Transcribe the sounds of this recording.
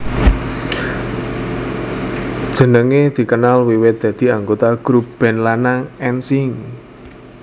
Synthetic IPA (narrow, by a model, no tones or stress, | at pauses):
d̥ʒ̥ə̤nəŋed̪̥i̤kənalwiwɪt̪̚d̪̥ä̤d̪̥i̤aŋɡot̪aɡ̥ɾup̚b̥ɛ̤nlanaŋɛnsɪŋ